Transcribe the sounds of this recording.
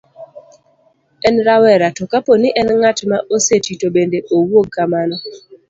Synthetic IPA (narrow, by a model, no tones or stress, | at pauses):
ɛnɾawɛɾatɔkaponiʔɛnŋat͡ʃmaʔosetitobendeʔowoɡ̚kamanɔ